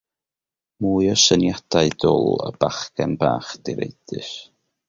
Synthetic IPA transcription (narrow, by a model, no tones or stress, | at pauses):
muːɨɔsənjad̥aɨdɔlˠə̰b̥aχɡ̥ɛnbaːχd̥iɾḛjd̥ɨʃ